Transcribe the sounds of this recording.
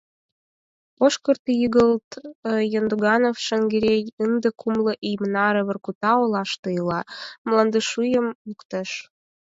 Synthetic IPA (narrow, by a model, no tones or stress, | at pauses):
oʃkərt̪jəɣəlt̪jond̪uɣɑnofʃəŋɡeɾejənd̪əkʰumlə̆ʔijmnɑɾə̆βərkut̪ɑolɑʃt̪əjlɑmlɑnd̪əʃujəmukt̪əʃ